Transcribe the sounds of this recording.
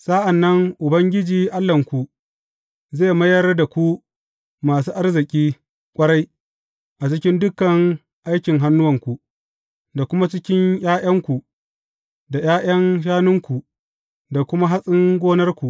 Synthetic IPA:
sa˦ʔa˨nːɐ˦ŋʔʊ˨bɐ˦ŋɡʲɪ˦d͡ʒiː˨ʔa˦lːɐ˨ŋkʷu˨ | zeː˦˨mɐ˦jɐ˦rda˨kʷu˦ | maː˨s̬uː˦ʔa˦rzɪ˨kʲʼiː˦ | kʷʼɐ˦ɽa˦j | ʔa˨t͡ʃɪ˦kʲɪ˦ndʊ˦kɐ˨ŋ | ʔa˦jkʲɪ˨ŋɦa˦nːʊ˦wɐ˨ŋkʷu˨ʔ | da˨kʷʊ˦ma˦t͡ʃɪ˦kʲɪ˦ɲjaː˦j̰ʔɐ˦ŋkʷu˨ | da˨jaː˦j̰ɐ˦ŋʃ̬aː˦nʊ˦ŋkʷu˨ | da˨kʷʊ˦ma˦ɦa˦sʼɪ˦ŋɡʷoː˦nɐ˦rkʷu˨ʔ

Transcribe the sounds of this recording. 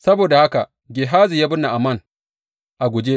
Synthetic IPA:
sɐ˦boː˨da˨ha˦ka˨ | ɡʲe˨ɦaː˦zi˨jaː˦bʊ˦nːa˨ʔa˨mɐ˦˨n | ʔa˨ɡʷʊ˨d͡ʒe˦

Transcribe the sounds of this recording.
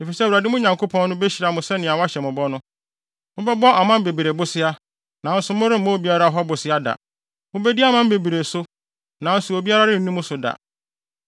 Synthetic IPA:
e˨fi˨sɛ˦˨wu˨a˨dɪ˦mʊ̃˦ɲã˨ŋkʰo˦pʰɔ̃˦n˦nʊ̃˦be˦ɕi˨ɾa˨mʊ̃˨sɛ˦nɪ̃˨a˨wa˦ɕɛ˨mʊ̃˨bɔ˦nʊ̃˦ | mʊ̃˦bɛ˦bɔ˦ʔa˨mã˦m˦be˨bi˨ɾe˨bʊ˦sɪ˦a˦ | nã˨n̩˦sʊ˨mʊ̃˦ɾɪ̃˦m̩˦mõ˦bi˦a˦ɾa˦˨ɦɔ˦bʊ˨sɪ˦a˦da̰˨ | mʊ̃˦bɛ˦di˦a˦mã˦m˦be˨bi˨ɾe˨sʊ˦ | nã˨˦n̩˦sʊ˨o˨bi˦a˦ɾa˦ɾɪ̃˦n̩˦nũ˦mʊ̃˦sʊ˨da̰˨

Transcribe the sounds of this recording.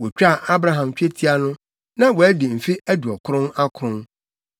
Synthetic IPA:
wɔ˨t͡ɕᶣa˦˨ʔa˦bɾa˦ɦã˨mt͡ɕᶣe˦tʰi˦a˦nʊ̃˦ | nã˦wɔ˨˦dɪ˨m̩˨fi˦æ˦du˨ɔ˨kʰʊ˦ɾʊ̃˦na˦kʰɾʊ̃˦n

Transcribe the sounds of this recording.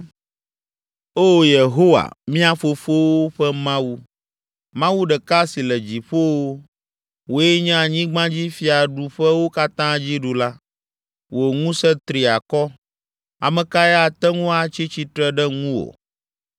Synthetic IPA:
o˦je˨ɦo˦wa̰˨mĩ˦a˦fo˦fo˦wo˦ɸɛ˦mã˦wu˦ | mã˦wu˦ɖɛ˨ka˦si˨lɛ˨d͡ʑi˨ɸo˦wo˦ | wo˨jɛ˦ɲã˦a˨ɲĩ˦ɡ͡bã˦d͡ʑi˦fi˨a˨ɖu˨ɸɛ˦wo˦ka˦t̪ã˦d͡ʑi˦ɖu˨la˦ | wo˨ŋũ˦sɛ˦t̪ɾi˨a˨kɔ˦ | a̰˨mɛ̃˨ka˦ɛ˦a˨t̪ɛ˦ŋũ˦a˨t͡ɕi˦t͡ɕi˦t̪ɾɛ˦ɖɛ˦ŋũ˦wo̰˨

